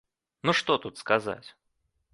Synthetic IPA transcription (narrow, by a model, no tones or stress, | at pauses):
nuʂt̪ot̪ut̪skɐza̰tʲ